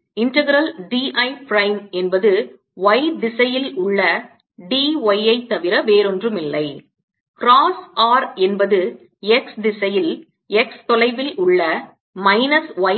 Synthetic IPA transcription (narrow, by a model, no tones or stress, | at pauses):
ɪnʈɐɣɪɾɐlɖiʔɐɪpɾɐɪmɛnbɐðɯ | ʋɐɪd̪ɪsɐjɪlʊɭːɐ | ɖiʋɐjɐɪt̪ːɐʋɪɾɐʋeːɾɔndrɯmɪlːɐɪ | kɾaːsaːɾɛnbɐðɯ | ɛksd̪ɪsɐjɪl | ɛkst̪ɔlɐɪʋɪlʊɭːɐ | mɐɪnɐsʋɐɪ